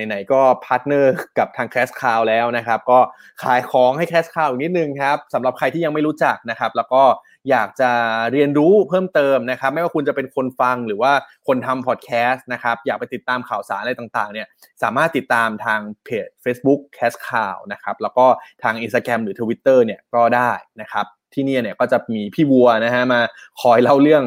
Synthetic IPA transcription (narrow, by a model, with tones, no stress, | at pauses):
a˨˩jna˩˦jkɔː˥˩pʰaː˦˥t̪̚nɤː˥˩ka˨˩p̚t̪ʰaː˧ŋkʰɛː˦˥skʰaː˧wlɛː˦˥wna˦˥kʰa˦˥p̚kɔː˥˩ | kʰa̰ː˨˩˦jkʰɔː˨˩˦ŋha˥˩jkʰɛː˦˥skʰaː˨˩wja˨˩ni˦˥t̪̚nɯ˨˩ŋkʰa˦˥p̚sa˩˦mɾa˨˩p̚kʰa˧jt̪ʰiː˥˩ja˧ŋma˥˩jɾuː˦˥t͡ɕa˨˩k̚na˦˥kʰa˦˥p̚lɛː˦˥wkɔː˥˩ | jaː˨˩k̚t͡ɕa˨˩ɾi˧ənɾuː˦˥pʰɤː˥˩mt̪ɤː˧mna˦˥kʰa˦˥p̚ma˥˩jwaː˥˩ku˧nt͡ɕa˨˩pe˧nkʰo˧nfa˧ŋɾɯː˩˦waː˥˩kʰo˧nt̪ʰa˧mpʰɔː˨˩t̪̚kʰɛː˦˥st̪̚na˦˥kʰa˦˥p̚jaː˨˩k̚pa˧jt̪i˨˩t̪ːaː˧mkʰaː˨˩wsaː˩˦nla˧jt̪a˨˩ŋt̪aː˨˩ŋni˥˩ɐ | saː˩˦maː˥˩t̪ːi˨˩t̪ːaː˧mt̪ʰaː˧ŋpʰeː˨˩t̪̚feː˦˥sbu˦˥kʰːɛː˦˥skʰaː˨˩wna˦˥kʰa˦˥p̚lɛː˦˥wkɔː˥˩t̪ʰaː˧ŋʔi˧nst̪aː˧kɾɛ˧mɾɯː˩˦t̪ʰu˧wi˦˥t̪ːɤː˥˩ni˥˩əkɔː˥˩daː˥˩jna˦˥kʰa˦˥p̚t̪ʰiː˥˩ni˥˩ni˥ɐkɔː˥˩t͡ɕa˨˩miː˧pʰiː˥˩wu˧ɐna˦˥ɦa˦˥maː˧kʰɔː˧jla˦˥˩wɾɯ˥˩əŋ